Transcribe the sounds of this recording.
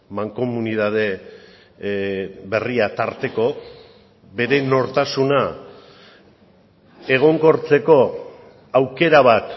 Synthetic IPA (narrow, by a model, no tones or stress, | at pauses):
maŋko̞muniðað̞e̞ | βe̞riat̪aɾt̪e̞ko̞ | be̞ɾe̞no̞ɾt̪asuna | e̞ɣ̞o̞ŋko̞ɾt͡se̞ko̞ | awke̞ɾaβ̞at̪